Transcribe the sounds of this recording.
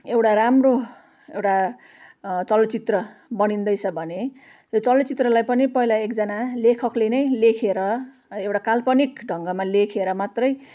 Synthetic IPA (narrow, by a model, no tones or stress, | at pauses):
ewʈaɾamro | ewʈa | t͡sʌlʌt͡sit̪rʌbʌɽ̃ind̪ʌjt͡sʰʌbʱʌne | jot͡sʌlʌt͡sit̪rʌlajpʌnipʌɦilaekd͡zʌnalekʰʌklenʌjlekʰeɾʌ | ewʈakalpʌnikɖʱʌŋɡʌmalekʰeɾʌmat̪rʌj